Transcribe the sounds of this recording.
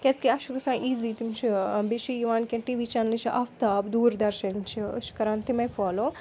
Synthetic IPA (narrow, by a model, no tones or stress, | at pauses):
kʲeskiɐʃʰukɐsãːʔiːziːt̪imt͡ʃʰibeʃijiʋaːnkʲẽʈiːʋiːt͡ʃanlit͡ʃʰiʔɐft̪aːbd̪uːɾd̪ɐɾʃɐnt͡ʃʰḭʃi̥kɐɾãːnt̪imɐjfɔːloː